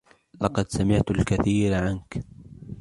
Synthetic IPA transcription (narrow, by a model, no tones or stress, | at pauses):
lɑqɑd̪samɪʕt̪alkaθiːɾʕank